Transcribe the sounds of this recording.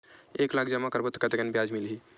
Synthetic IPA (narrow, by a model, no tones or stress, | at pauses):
eklakʰd͡ʒəmakəɾbət̪ːkət̪ekənbjad͡ʒmilɦi